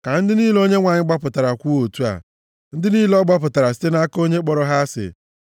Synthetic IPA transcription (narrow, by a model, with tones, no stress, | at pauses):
ka˨n̩˦dɪ˦niː˦lo˦ɲe˦ŋʷa˨ɲɪ˦ɡ͡ba˦pʊ˨ta˨ɾa˨kʷu˦o˨tu˦a̰˨ | n̩˦dɪ˦niː˦lɔ˦ɡ͡ba˦pʊ˨ta˨ɾa˨s̬i̥˦te˦na˦ko˦ɲe˦k͡pɔ˨ɾɔ˦ɦa˦sɪ̰˨